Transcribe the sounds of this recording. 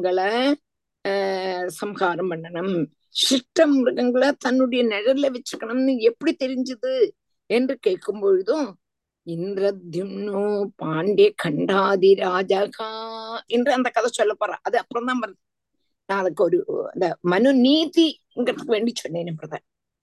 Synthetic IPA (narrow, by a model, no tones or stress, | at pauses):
ɡɐɭ | sɐmkaːɾɐmbɐɳɖɐɳɐm | ɕiʂʈːɐmːurɨɡɐŋɡɐɭt̪ɐnːuɽɐjɐneɾɐleʋet͡ɕːɐkːɐɳɐmenːɨepːiɽit̪ːeɾiɲt͡ɕɐðɨ | endrɨkeːɭkːumboːɻðo | ind̪rɐd̪ʱjimnupaːɳɖekʰɐɳɖaːd̪iɾaːd͡ʑaːkɐendrɨɐnd̪ɐkːɐðɐt͡ɕːolːɐpːɐra̰ːʔɐðɨɐpːɐɽɐnaːmpɐr | naɐðokːeoɾuḛnd̪amɐnuniːði | ŋɡɐɐt̪ːkɨʋe̞ːɳɖit͡ɕːonːeːnɐmprɐðʰʱa̰ːnɐm